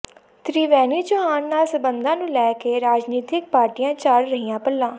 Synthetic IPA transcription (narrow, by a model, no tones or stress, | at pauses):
t̪ɾiːʋɛːniːt͡ʃʊɦaːnːaːlsəbənd̪ãːnũːlɛːkeːɾaːd͡ʒniːt̪ɪk̚paːɾʈijãːt͡ʃaːɽɾəɦijãːpəlːãː